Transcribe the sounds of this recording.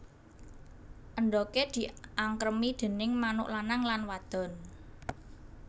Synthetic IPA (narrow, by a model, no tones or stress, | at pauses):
ʔənd̪ɔked̪̥i̤ʔaŋkɾəmid̪̥e̤nɪŋmanʊ̰ʔlanaŋlanwad̪̥ɔ̤n